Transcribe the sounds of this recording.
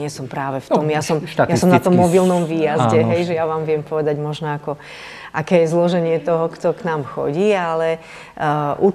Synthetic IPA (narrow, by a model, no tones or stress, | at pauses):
ɛsɔmpɾaːʋɛft̪ɔmjasɔmjasɔmnat̪ɔmːɔbilnɔmʋiːjazɛɦɛjʒɛjaʋaːmʋɪɛmpɔʋɛd̪aɟmɔʒnɔakɔ | ʔakɛːjɛzlɔʒɛɲɪɛt̪ɔɦɔkt̪ɔknaːmxɔ̰ɟiːalɛ | ʔu